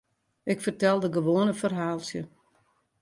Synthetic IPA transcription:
ʔɪkfərtɛlˠdəɡəʋoənəfərɦaːlˠsjə

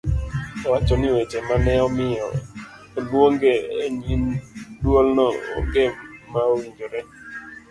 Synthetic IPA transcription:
ɔwat͡ʃɔnɪwet͡ʃemanɛɔmɪjɔ̰ | eboŋɡeeɲindwolnɔɔ̰ŋɡemmaowiɲd͡ʒoɾɛ

